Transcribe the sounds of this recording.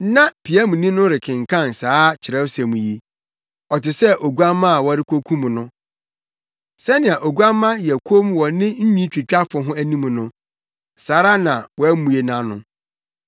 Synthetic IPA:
nã˦pʰi˨æ˦mũ˨nĩ˦nʊ̃˦ɾɪ˨kʰɪ̃˨ŋ̩˨kʰã˦˨n˨saː˨˦t͡ɕʰɪ˨ɾɛ˦wsæ˨mũ˨ji˦ | ɔ˨tɪ˨sɛ˦ʔo˨ɡu˦a˦mã˦a˨wɔ˦ɾɪ˦kʰo˦kʰũ˦mũ˨nʊ̃˦ | sɛ˦nɪ̃˨a˨ʔo˨ɡu˦a˦mã˦jɛ˨kʰo˦m˦wɔ˨nɪ̃˦ɲ̩˦ɲᶣĩ˦t͡ɕᶣi˨t͡ɕᶣa˦fʊ˨ɦʊ̃˦æ˦nĩ˦mũ˨nʊ̃˦ | saː˨˦ɾa˦nã˨wɔ˨æ˦mũ˨e˨nã˦nʊ̃˨

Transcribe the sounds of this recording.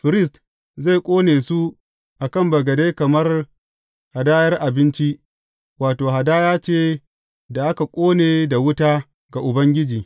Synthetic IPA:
ɸɪ˨ɾɪ˦˨st | za˦˨jkʷʼoː˦neː˨su˦ | ʔa˨kɐ˦˨mbɐ˨ɡɐ˨de˦jkɐ˨mɐ˦r | ha˨daː˦jɐ˦rʔa˨bɪ˦nt͡ʃi˦ | waː˨toː˨ɦa˨daː˦jaː˦t͡ʃeː˦ | da˨ʔa˦ka˨kʷʼoː˦neː˨da˨wʊ˦taː˦ | ɡa˨ʔʊ˨bɐ˦ŋɡʲɪ˦d͡ʒiː˨

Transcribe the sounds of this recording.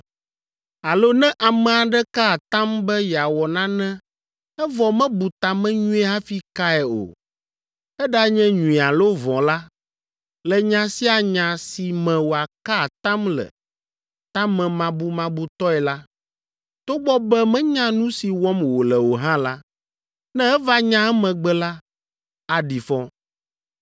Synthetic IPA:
a˨lo˦nɛ̃˦ʔa˨mɛ̃˨a˨ɖɛ˦ka˦˨t̪ã˦mbɛ˦jɛ˨a˨wɔ˨nã˦nɛ̃˦ | ɛ˦vɔ˨mɛ̃˦bu˨t̪a˨mɛ̃˦ɲũ˦ɛ˦ɦã˦fi˦ka˦ɛ˨o̰˨ | ɛ˦ɖa˦ɲɛ̃˦ɲũ˨i˨a˨lo˦vɔ̃˨la˦ | lɛ˨ɲã˨si˦a˨ɲã˨si˨mɛ̃˨wo˨a˨ka˦˨t̪ã˦mlɛ̰˨ | t̪ã˦mɛ̃˨mã˨bu˦mã˨bu˦t̪ɔ˦ɛ˨la˦ | t̪o˦ɡ͡bɔ˦bɛ˦mɛ̃˦ɲã˦nũ˦si˨wɔ˦mwo˨lɛ˨wo˨ɦã˦la˦ | nɛ̃˦ɛ˦va˦ɲã˦ɛ˦mɛ̃˨ɡ͡bɛ˦la˦ | a˨ɖi˨fɔ˦

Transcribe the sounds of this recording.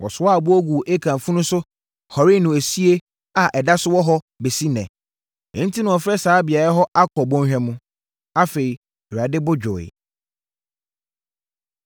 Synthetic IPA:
wɔ̰˨sʊ˦a˦˨bʊ˦ɔ˦ɡu˨ʔe˦kʰã˨fũ˦nʊ̃˦sʊ˦ | hɔ˨ɾɪ˦˨nʊ̃˨e˨si˦e˦ | a˨ʔɛ˨da˦sʊ˦wɔ˦ɦɔ˦ | be˨si˦nɛ̃˨ | ɪ̰̃˨˦n̩˦tʰi˦nʊ̃˨ɔ˨fɾɛ˦saː˨˦bɪ˨a˨ɾɛ˦ɦɔ˦ʔa˦kʰɔ˨bɔ̃˦ɕᶣɛ̃˦mũ˦ | a˦fe˨ɾi˨ | ɾa˨dɪ˦bʊ˦d͡ʑᶣʊ˨ɪ̰˨

